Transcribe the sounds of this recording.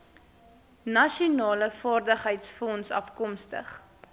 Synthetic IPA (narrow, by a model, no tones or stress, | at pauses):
nɐʃiunɑːləfɑːrdəχɦəjtsfɔnsɐ̰fkɔmstə̰χ